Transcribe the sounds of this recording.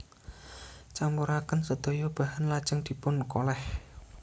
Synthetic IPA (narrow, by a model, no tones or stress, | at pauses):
t͡ʃambuɾakənsəd̪̥o̤jɔb̥a̤hanlad̥ʒ̥əŋd̪̥i̤pʊnkolɛh